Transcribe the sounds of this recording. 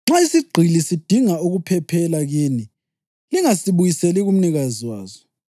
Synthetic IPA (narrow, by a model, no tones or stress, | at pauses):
ŋ͡ǁaisiɡ͡ǀʱilisid̥ʱiŋauɣupʰɛpʰɛlaɣiːni | liŋasiβujisɛliɣum̩niɣaziwaːzɔ